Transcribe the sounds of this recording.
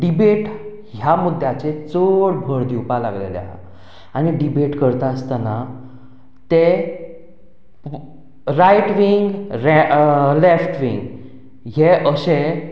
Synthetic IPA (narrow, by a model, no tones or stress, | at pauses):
ɖibeʈ | ɦjamud̪ʱjat͡ɕet͡soɽbʱəɾd̪iwpala̰ɡlḛlja̰ | añiɖibeʈkəɾt̪aəst̪ana | t̪e | ɾajʈʋiŋɡɾelefʈʋiŋɡ | ɦeʔəse